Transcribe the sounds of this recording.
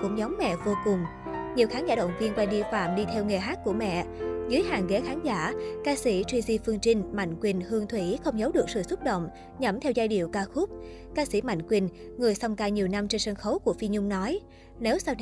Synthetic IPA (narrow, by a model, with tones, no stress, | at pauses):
kʊ̰˧˥ŋ͡mɲɔ˨˦wŋ͡mːɛ̰˧˨vo˧kʊ˨˩ŋ͡m | ɲi˨˩əwxaː˨˦nzaː˧˩ɗə̰˧˨wŋ͡mvi˧ənkwɛ˧nɗi˧əfa̰ː˧˨mɗi˧t̪ʰɛ˧wŋe˨˩ɦaː˦˥k̚ku˧˩əmɛ̰˧˨zɨ˨˦jhaː˨˩ŋke˨˦xaː˨˦nzaː˧˩kaː˧si˧˩t͡ɕwi˧zi˧fɨ˧əŋt͡ɕï˧ŋ̟ma̰˧˨jŋ̟kwi˨˩nhɨ˧əŋt̪ʰwi˧˩xə˧wŋ͡mzə˨˦wɗɨ˨˩k̚sɨ̰˧˨sʊ˦˥t̚ɗə̰˧˨wŋ͡m | ɲə˧˥˩mt̪ʰɛ˧wzaː˧jɗḭ˧˩əwkaː˧xʊ˦˥p̚ | kaː˧si˧˩ma̰˧˨jŋ̟kwi˨˩n | ŋɨ˨˩əjsa˧wŋ͡mkaː˧ɲi˨˩əwna˧mt͡ɕe˧nsə˧nxə˨˦wku˧˩əfi˧ɲʊ˧ŋ͡mnɔ˨˦j | ne˨˦wsaː˧w